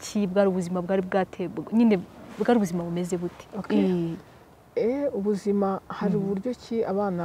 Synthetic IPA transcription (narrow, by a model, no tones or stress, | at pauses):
cʰibɡaːɾiuβuzimabɡaːɾibɡaːtʰeɲiːnebɡaːɾiuβuzimaβume̞zeβute̥ok | euβuzimahaɾiβuɾɟo̞ciaβaːna